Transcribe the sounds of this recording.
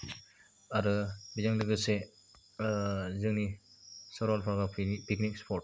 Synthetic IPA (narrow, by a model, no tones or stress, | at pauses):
aɾɯbizaŋdɯɡɯse | zɯŋnisɔɾɔlpʰaɡapiknik̚spʰɔɾt̚